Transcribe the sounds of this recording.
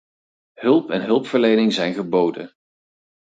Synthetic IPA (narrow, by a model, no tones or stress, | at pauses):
ɦɵlˠpɛnɦɵlˠpfəɹlejnɪŋzɛjnχəbowdə̰n